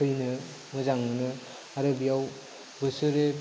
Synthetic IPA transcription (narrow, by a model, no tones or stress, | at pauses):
ɯjnɯ | mɯzaŋɯnɯ | aɾɯbijaw | bɯsɯɾe